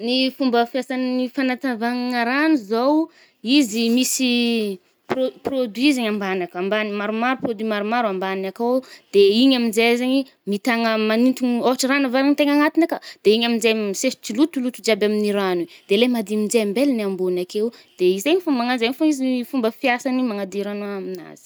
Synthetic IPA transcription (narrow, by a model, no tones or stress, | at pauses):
nifumbəfjasannifanat̪avaŋaŋəɾanuzow | izimisi | poprod̪ɥizeɲambanakambanimaɾumaɾuprod̪imaɾumaɾuambanakowd̪̥eiɲaminzezaɲi | mit̪aŋəmanint̪uɲoɦaʈ͡ʂəranavaɾaɲit̪eŋaŋat̪inakəd̪̥eiɲamind͡zemsesi̥t͡ʃilut̪ulut̪ud͡ʒabaminiɾanid̪̥elemad̪imid͡ʒembelinambunakewd̪̥eizeɲifumbaŋanzeɲifuizifumbəfjasanimaŋad̪iɾanoamina̰z̥i̥